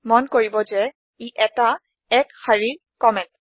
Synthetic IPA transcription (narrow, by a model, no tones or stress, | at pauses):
mɔnkoɹibɔzɛ | iʔɛta | ɛkhaɹiɹ | kɔmɛnt